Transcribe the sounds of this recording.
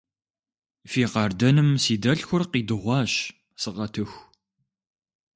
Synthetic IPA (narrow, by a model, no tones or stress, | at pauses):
fiːqɑːrdɐnɨmsiːdɐɬxʷʊrqiːdɨʁʷɑːɕ | sɨʁɐtʰɨxʷ